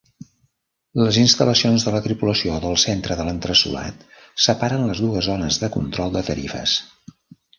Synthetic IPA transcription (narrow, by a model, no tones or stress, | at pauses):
ləzinst̪ələsionzðələt̪ɾipuləsioːðəlˠsent̪ɾəðələnt̪ɾəsṵla̰t̪ | səpaɾənləzðuəzonəzðəkunt̪ɾɔlˠd̪ət̪əɾifə̰s